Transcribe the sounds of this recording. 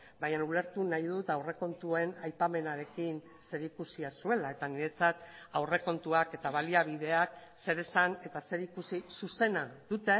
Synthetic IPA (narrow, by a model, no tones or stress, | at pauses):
bajanule̞ɾt̪unajðut̪awre̞ko̞nt̪ue̞najpame̞naɾe̞kin | se̞ɾikusiasue̞lae̞t̪aniɾe̞t͡sat̪ | awre̞ko̞nt̪uake̞t̪aβ̞aliaβ̞ið̞e̞ak̚ | se̞ɾe̞sane̞t̪ase̞ɾikusisuse̞naðut̪e̞